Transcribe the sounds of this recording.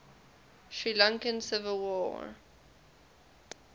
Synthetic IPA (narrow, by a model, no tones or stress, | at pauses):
ʃɹilãŋkə̃nsɪvəlˠwɔ̰